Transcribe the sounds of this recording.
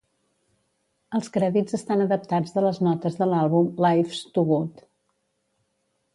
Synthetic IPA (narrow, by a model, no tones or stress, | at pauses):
əlˠskɾɛðid͡zəst̪anəðəp̚t̪ad͡zðələznɔt̪əzðəlalˠβumlajfst̪uɣut̪